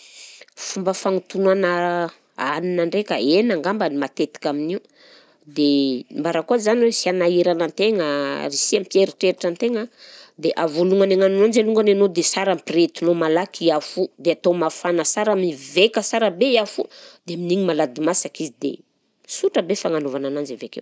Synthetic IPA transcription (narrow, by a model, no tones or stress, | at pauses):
fumbəfaŋut̪unana | a̰ninaɳɖ͡ʐekʲə̰enaŋɡambanimat̪et̪i̥kʲaminiu | d̪embaɾakuazaniwesianaiɾanant̪eŋəɾisiamipjeɾiʈ͡ʂeɾiʈ͡ʂant̪eŋad̪eʔavoluŋaneŋanunand͡ʒaluŋɡananod̪esaɾampret̪unomalakʰiafud̪eat̪omafanəsaɾamivekəsaɾəbeiafud̪eminiŋimalad̪imasakizid̪ḛ | suʈ͡ʂəbefaŋanovananand͡ʒavekḛw